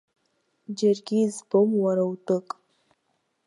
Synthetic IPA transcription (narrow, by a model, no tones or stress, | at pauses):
d͡ʒəɾɡʲizbomwaɾawt̪əkʼ